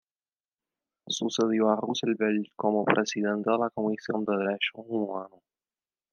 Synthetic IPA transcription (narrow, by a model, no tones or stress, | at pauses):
suseðjoaruselbelt̪komopɾʔesidɛ̃nt̪dəlakomisjõnd̪əðɾeʃoumwano